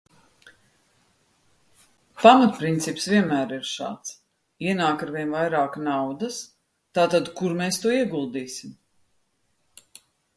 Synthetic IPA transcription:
pamat̪̚pɾint̪sipsvʲiɛnmæːɾiɾʃa̰ːt̪s | iɛnaːkaɾvʲiɛnvajɾaːknawd̪as | t̪aːt̪ad̪kuɾmɛːst̪uɔiɛɡulˠd̪iːsim

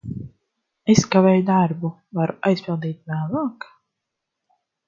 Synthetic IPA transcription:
eskavɛːjd̪aɾbu | vaɾuʔajspʲilˠd̪iːt̪̚manavaːkḁ

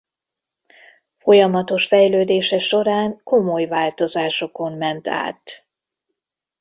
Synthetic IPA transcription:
fo̞jɒmɒt̪o̞ʃfɛjløːd̪eːʃɛʃo̞ɾaːŋko̞mo̞jvaːlt̪o̞zaːʃo̞ko̞mmɛnt̪a̰ːt̪

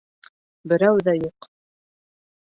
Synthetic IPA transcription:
bɘ̆ɾæwðæjuq

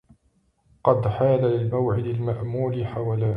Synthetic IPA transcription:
qɑd̪ħaːlalɪlmawʕɪd̪almaʔmuːlɪħawaːlaː

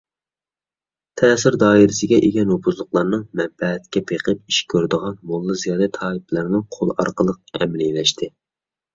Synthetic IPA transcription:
t̪ʰɛːsɪɾd̪ɑːiɾɪsɪɡʲɛʔeɡʲɛnopʰuzlˠʊqlˠɑɾnɨŋmɛmbɛɛt̪kʲɛpʰeqʰəp̚i̥ʃkʲʰøɾd̪əʁɑnmolˠːɨzijɑːd̪ɛt̪ʰɑːlɨplɨɾnɨŋqʰolˠɑ̰ɾqəlˠəq̚ɛ̰mlilɛʃt̪ʰɪ

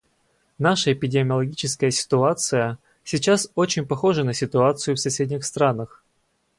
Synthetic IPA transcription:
naʂəɪpʲɪdʲɪmʲɪəlˠɐɡʲit͡ɕɪskəjəsʲɪ̥t̪ʊat̪sɨjə | sʲɪt͡ɕaso̞t͡ɕɪnʲpɐxo̞ʐənəsʲɪt̪ʊat̪sɨjʊfsɐsʲedʲnʲɪxst̪ɾanəx

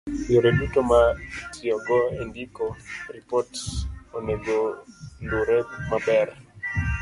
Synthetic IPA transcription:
joɾedutomatiɔɡɔendikoripɔtsoneɡonduɾemabɛɾɛ

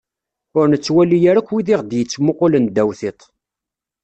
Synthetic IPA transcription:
ʊɾnət͡sːwælːijæɾækʷːwiðiʁd̪jət͡sːmʊqolənd̪æwθɪt̪ˤ

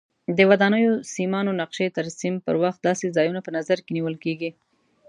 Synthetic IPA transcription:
d̪əwad̪ɑnəjosimɑnonaqʃet̪aɾsimpə̰ɾwaxt̪̚d̪ɑsezɑjunapənazaɾkeniwəlkeɡi

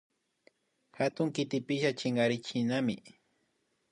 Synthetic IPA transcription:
xat̪ʊŋkɪt̪ɪpɪʃat͡ʃɪŋɡaɾɪt͡ʃɪnamɪ̰

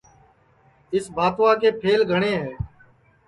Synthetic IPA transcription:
ɪsbʱaːt̪ʋaːkeːpʰeːlɡʱəɳeːɦɛː

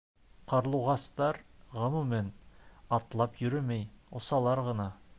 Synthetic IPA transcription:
qɑɾlˠuʁɑst̪ɑɾʁɤ̆mumænɑt̪lˠɑpjɵ̆ɾɘmɘjŏsɑlˠɑɾʁɤ̆nɑ

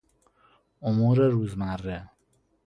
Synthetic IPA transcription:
omuːɾeɾuːzmærːe

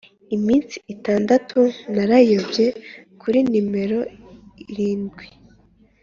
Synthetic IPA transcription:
imiːnt͡si̥ʔitaːndatʰunaɾajobje̞kʰuɾinime̞ɾo̞iɾiːnɡwi

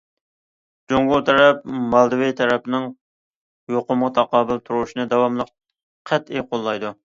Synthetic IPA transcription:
d͡ʒoŋɡot̪ʰɛɾɛp̚mɑlˠd̪ɨwit̪ʰɛɾɛpnɨŋ | joqʊmʁɑt̪ʰɑqɑːbɨlˠt̪ʰuɾuʃinɨd̪ɑwɑmlˠəq | qʰæt̪ejqʰolˠːɑjd̪u

